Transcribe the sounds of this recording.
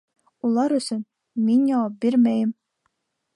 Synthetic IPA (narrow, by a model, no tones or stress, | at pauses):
ulˠɑɾɵ̆sɘn | minʲjɑwɑp̚biɾmæjɘ̆m